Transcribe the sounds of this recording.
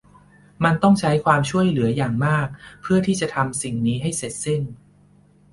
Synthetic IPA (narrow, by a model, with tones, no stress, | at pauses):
ma˧nt̪ɔ˥˩ŋt͡ɕʰa˦˥jkʰwaː˧mt͡ɕʰu˥˩əjlɯ˩˦ɐjaː˨˩ŋmaː˥˩k̚pʰɯ˥˩ɐt̪ʰiː˥˩t͡ɕa˨˩t̪ʰa˧msi˨˩ŋniː˦˥ɦa˥˩jse˨˩t̪̚se˥˩n